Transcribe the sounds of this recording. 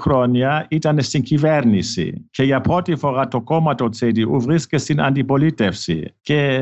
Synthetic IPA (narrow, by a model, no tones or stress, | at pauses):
kʰrɔnjaitanɛsiŋkʰivɛɾnisḭkʰɛjapʰɔtifɔʁat̪ɔkɔmatot͡sediʔuvʁiskɛsina̰nt̪ipɔlitɛfsḭkɛ